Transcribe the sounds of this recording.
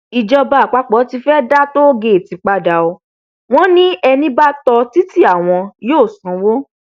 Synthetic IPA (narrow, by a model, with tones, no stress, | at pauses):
i˨d͡ʒɔ˧ba˧˨k͡pa˨˦k͡pɔ˨˦ti˧fɛ˦da˦to˦ɡe˧˨e˨ti˨˧˦k͡pa˧da˨o˧ | w̃ɔ̃˦nĩ˦ɛ˧nĩ˦ba˦tɔ˧ti˦ti˦a˦˨w̃ɔ̃˧joː˦˨sã˨˦wo˦